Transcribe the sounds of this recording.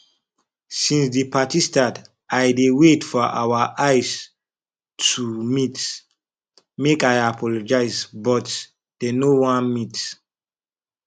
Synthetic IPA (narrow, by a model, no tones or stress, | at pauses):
sĩnsdipʰatistãt | ajdewetfɔʔa̰waʔajs | tʰumit | mekajapʰɔlɔd͡ʒaɪsbɔt | d̥enowãnmit